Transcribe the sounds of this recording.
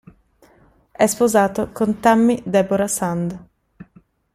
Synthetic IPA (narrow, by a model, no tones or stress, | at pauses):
ɛspozaːt̪okont̪amːid̪ɛboɾasand̪